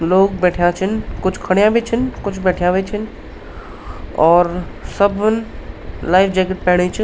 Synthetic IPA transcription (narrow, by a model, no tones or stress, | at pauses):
loːɡbɛːʈʰjãt͡ʃʰɪnkʊt͡ʃʰkʰɐɽ̃ijãʋet͡ʃʰənkʊt͡ʃʰbɛːʈʰjãʋet͡ʃʰən | ɔːɾsɐbnlaːɪfd͡ʒeːkɪʈ̚pɛɦɽ̃et͡ʃʰ